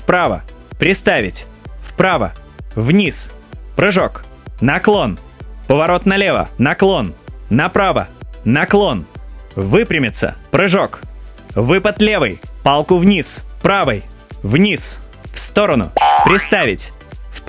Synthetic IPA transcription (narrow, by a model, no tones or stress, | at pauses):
fpɾavə̰pɾʲɪst̪avʲɪtʲfpɾavə̰vnʲispɾɨʐoknɐklˠo̞npəvɐɾo̞t̪nɐlʲevə̰nɐklˠo̞nːɐpɾavə̰nɐklˠo̞nvɨpɾʲɪmʲɪt̪sə̰pɾɨʐok | vɨpət̪lʲevɨ̰jpalˠkʊvnʲispɾavəj | vnʲis | fst̪o̞ɾənʊ̰pɾʲɪst̪avʲɪtʲ | f